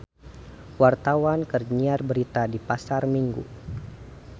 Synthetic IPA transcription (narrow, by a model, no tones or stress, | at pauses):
wart̪awankərɲiarbəɾit̪adipasarmiŋɡṵ